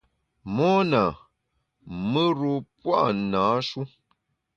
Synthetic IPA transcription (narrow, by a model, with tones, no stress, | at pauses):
mɔ˦na˨ | mə˦ɾo˦pwa̰˦ʔnaː˨˦ʃu˦